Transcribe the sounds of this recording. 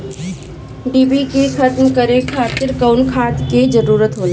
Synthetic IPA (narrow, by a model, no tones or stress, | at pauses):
ɖiːbikekʰət̪mkəɾekʰaːt̪ɪɾkəʊnkʰaːt̪ked͡ʒəɾuːɾət̪ɦoːle